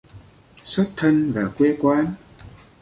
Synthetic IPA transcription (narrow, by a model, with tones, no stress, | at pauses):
swə˦˥t̚t̪ʰə˧nvaː˨˩kwe˧kwaː˨˦n